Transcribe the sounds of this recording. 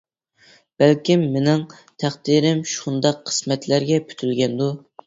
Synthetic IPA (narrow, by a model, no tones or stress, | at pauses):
b̥ælkʲimːenɪŋ | t̪ʰæχd̪iɾɪmʃund̪ɑqʰːə̥smɛt̪læɾɡʲɛpʰy̥t̪ʰylɡʲɛnd̪u